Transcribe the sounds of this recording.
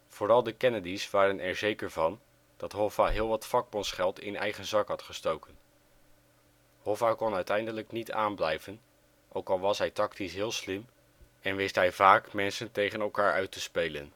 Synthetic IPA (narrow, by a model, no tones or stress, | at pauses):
v̥oːɾɑlˠdəkɛnədisʋaːɾənɛɹzejkəɹvɑn | d̥ɑtɦɔfaɦɪːlˠʋɑtfɑɡ̚bɔnsχɛlˠtɪ̰nɛ̰jχənzɑkɦɑtχəstowkən | hɔfakɔnœɥtɛjndələknitaːnblɛjvən | ʔowkɑlˠʋɑsɦɛjtɑktisɦɪːlˠslɪm | ɛnʋɪstɦɛjvaːkmɛnsəntejχənɛlˠkaːɹœ̰ɥtəspejlə̰n